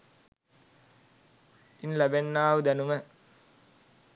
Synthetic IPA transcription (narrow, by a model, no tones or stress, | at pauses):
inlæbenːaːʋud̪ænumə